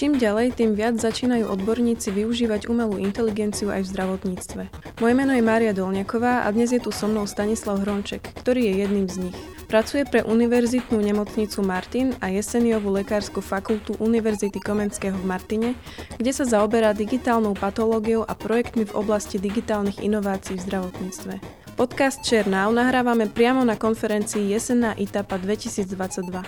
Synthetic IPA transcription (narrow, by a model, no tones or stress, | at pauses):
t͡ʃiːmɟalɛjt̪iːmʋɪad͡zzat͡ʃiːnajuːʔɔd̪bɔɾɲiːt͡siʋiuʒiːʋaɟumɛluːʔint̪ɛliɡɛnt͡siuʔa̰jvzd̪ɾaʋɔt̪ɲiːt͡st̪ʋɛ | mɔjɛmɛːnɔjɛmaːɾijad̪ɔlɲakɔʋaːʔa̰d̪ɲɛzjɛt̪usɔmnɔʊst̪aɲislaʊɦɾɔnt͡ʃɛkːt̪ɔɾiːjɛjɛd̪nimzɲix | pɾat͡sujɛpɾɛʔuniʋɛɾzit̪nuːɲɛmɔt͡sɲit͡sumaɾt̪inajɛsɛniɔʋulɛkaːɾskufakult̪uʔuniʋɛɾzit̪ikɔmɛnskɛːɦɔvmaɾt̪iɲɛ | ɡ̥ɟɛsazaɔbɛɾaːd̪iɡit̪aːlnɔʊpat̪ɔlɔːɡiɔʊʔapɾɔjɛkt̪mivɔ̰blascid̪iɡit̪aːlniɣḭnɔʋaːt͡siːvzd̪ɾaʋɔt̪ɲiːt͡st̪ʋɛ | pɔt̪kast̪t͡ʃɛɾnaʊnaɦɾaːʋamɛpɾɪamɔnakɔnfɛɾɛnt͡siːjɛsɛnaːʔit̪apad̪ʋɛcisiːd͡zd̪ʋat͡saɟd̪ʋa